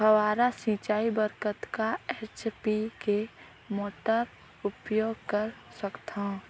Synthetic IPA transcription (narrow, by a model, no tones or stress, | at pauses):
ɦəʋaːɾasĩt͡ʃaːibəɾkət̪kaet͡ʃpike | moːʈəɾ | ʊpjoːɡ̚kəɾ | səkt̪ã